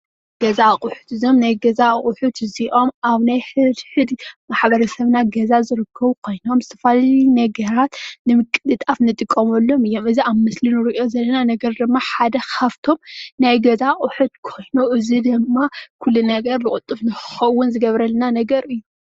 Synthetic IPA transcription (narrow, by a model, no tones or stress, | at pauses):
ɡ̥ɐzaχʼʊħu̥t̪ɨzo̞mnajɡɐzaχʼʊħut̪ɨziʔo̞maβnajħɨd̪ħɨd̪maħβɐɾɐsɐβnaɡɐzazɨɾɨkʰːɐβukʰo̞jno̞mzɨt̪ʰɐfalalinɐɡɐɾat̪nɨmɨkʼːɨd̪ɨt̪ʼafnɨt̪ʼɨkʼːɐmɐlːo̞mɨjːo̞mɨziaβmɨslinɨɾiʔo̞zɐlːɐnanɐɡɐɾd̪ɨmːaħad̪ɐxʰaft̪ʰo̞mnajɡɐzaχʼʊħut̪kʰo̞jnuʔɨzid̪ɨmːakʰulːunɐɡɐɾlɨkʼʊt̪ʼːɨfnɨxɨ̥xɐwːʊnzɨɡɐβɾɐlːɐnanɐɡɐɾɨjːu